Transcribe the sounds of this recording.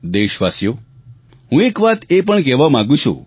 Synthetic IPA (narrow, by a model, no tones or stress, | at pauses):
d̪eʃʋasjo | ɦũekʋat̪ep̬əɳkɛʋamãɡũt͡ʃʰṵ̃